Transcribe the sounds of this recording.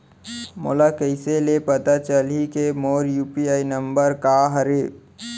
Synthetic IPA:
mo̰ːlakəɪselepət̪at͡ʃəlikemoːɾjuːpiaːinəmbəɾkaɦəɾeː

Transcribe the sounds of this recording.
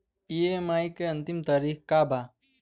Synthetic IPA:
iemajkeɐ̃nt̪imt̪aɾiːkkabʱa

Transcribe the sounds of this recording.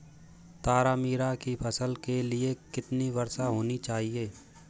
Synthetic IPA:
t̪aːɾaːmiːɾakipʰɐsəlkeliekɪt̪niʋɐɾsaɦoːnit͡ʃaːɦieː

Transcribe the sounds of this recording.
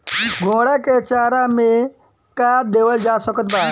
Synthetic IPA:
ɡʱõːɽaket͡ʃaːɾamẽ | kaːd̪eːʋəld͡ʒaːsəkət̪baː

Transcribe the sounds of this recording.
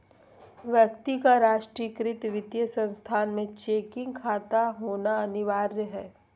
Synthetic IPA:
ʋjəkt̪ikaɾaːʃʈɾikɾɪt̪ʋɪd̪jəsə̃nst̪ʰaːnmẽt͡ʃeːkɪ̃ŋɡkʰaːt̪aɦoːnaɐnɪʋaːɾjəɦɛː

